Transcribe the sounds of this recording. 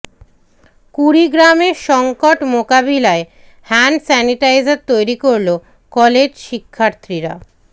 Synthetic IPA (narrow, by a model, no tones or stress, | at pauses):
kuɾiɡɾameɾʃɔŋkoʈmokabilae | hɛnsɛniʈajzaɾt̪ojɾikoɾlo | kɔled͡ʑʃikʰːaɾt̪ɾiɾa̰